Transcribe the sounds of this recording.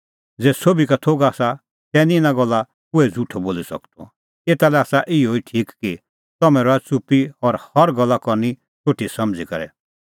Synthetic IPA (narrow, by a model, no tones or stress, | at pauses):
d͡zɛːsobikat̪ʰoːɡaːsa | t̪ɛːnĩɪnãɡɔlːa | pʊɛd͡zuʈʰɔboːlisɐ̰kt̪ɔ̰ | eːt̪alɛaːsaʔɪoiʈʰiːkki | t̪ɔmɛ̃ɾɔɛt͡supiɔɾhɐɾɡɔlːakɔni | t͡ʃʰoʈʰːisɐmd͡zikɔɾɛ̰